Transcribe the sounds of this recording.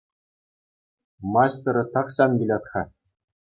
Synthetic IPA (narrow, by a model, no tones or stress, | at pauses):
mɑɕt̪ɤ̆ɾɤ̆t̪ɑχɕɑnɡʲilʲɑt̪χɑ